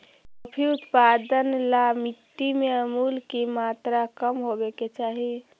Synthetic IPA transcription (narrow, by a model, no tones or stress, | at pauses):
əpʰiut̪pad̪ənlamiʈ̪ːimeəmulkimat̪ɾakəmɦobeket͡ʃaɦi